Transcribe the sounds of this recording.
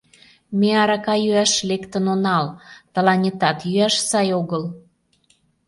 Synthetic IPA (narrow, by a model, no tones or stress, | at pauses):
meɑɾɑkɑjyæʃlekt̪ənonɑlt̪ə̆lɑnʲet̪ɑt̪jyæʃsɑjoɣəl